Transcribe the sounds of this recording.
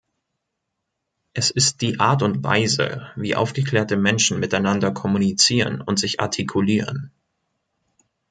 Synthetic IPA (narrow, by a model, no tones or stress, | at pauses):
ʔɛsɪst̚d̥iːʔaɐtʊntv̥a̰ɪzə̰viːʔa̰ʊfɡ̥əkl̥eːɐtəmɛnʃn̩mɪtaɪnandɐkʰɔmunit͡siːʁənʊntz̥ɪçʔa̰ɐtʰikʰuliːʁ̞ən